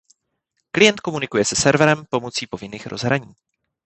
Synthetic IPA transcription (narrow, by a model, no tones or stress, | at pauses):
klɪjɛnt̪̚ko̞munɪkujɛsɛsɛɾvɛɾɛmpo̞mot͡siːpo̞vɪniːxɾʔo̞zɦɾaɲiː